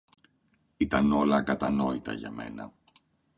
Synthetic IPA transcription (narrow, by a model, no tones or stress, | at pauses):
it̪ɐno̞lɐkɐt̪ɐno̞it̪ɐ̰ʝɐme̞̰nɐ̰